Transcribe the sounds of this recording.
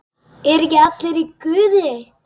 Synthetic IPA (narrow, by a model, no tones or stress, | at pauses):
ɛɾjat̪lɪɾikʏːðɪ